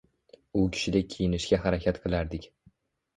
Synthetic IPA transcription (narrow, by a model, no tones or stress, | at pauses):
ʊkʲʰɪ̥ʃɪd̪ʲakʲʰijɪnɪʃkʲaɦaɾakʲʰat̪qʰɨlˠaɾd̪ɪkʲ